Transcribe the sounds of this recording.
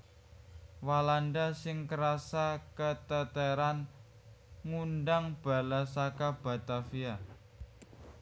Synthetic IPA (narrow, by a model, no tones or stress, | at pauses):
walanɖasɪŋkəɾasakət̪ət̪əɾan | ŋunɖaŋb̥a̤lasakab̥a̤t̪afia